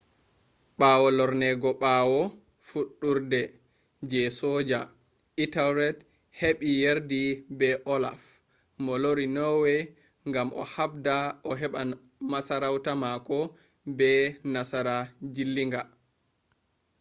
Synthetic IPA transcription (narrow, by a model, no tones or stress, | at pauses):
ɓaːwɔlɔɾnɛɡɔɓaːwɔ | fuɗːuɾdɛ | d͡ʒɛsɔːd͡ʒa | itawɾɛt | heɓijeɾdibɛʔɔla̰f | mɔloɾinɔwɛ | ŋɡamʔɔ̰habdaʔɔɦɛɓa | masaɾawtamakɔ | bɛnasaɾad͡ʒilːiŋɡa